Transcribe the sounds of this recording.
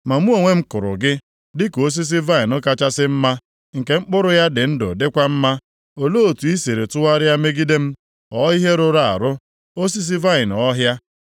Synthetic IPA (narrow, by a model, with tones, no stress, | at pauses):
ma˨mu˦o˨ŋʷe˦ŋ͡m̩˦kʊ˨ɾʊ̰˨ɡɪ˦ | dɪ˦ko˦s̬i˦s̬i˦va˦ɪ˨nʊ˦ka˦t͡ʃa˦sɪ˦m̩˦ma˦ | ŋ̩˨ke˨ŋ͡m̩˦k͡pʊ˦ɾʊ˦ja˦dɪ˨n̩˦dʊ̰˨dɪ˦kʷa˦m̩˦ma˦ | o˨lo˦o˨tu˨i˦se˨ɾe˨tʊ˦wa˦ɾɪ˦a˦me˦ɡi˦de˦m̩˦ | ɔ˦i˦ɦe˦ɾʊ˦ɾa˨a̰˨ɾʊ˦ | o˦s̬i˦s̬i˦va˦ɪ˨nɔ˦ɦja˦